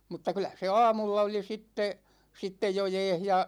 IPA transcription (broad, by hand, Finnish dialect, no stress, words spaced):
mutːɑ kylæ se ɑːmulːɑ oli sitːe sitːej jo jɛːh jɑ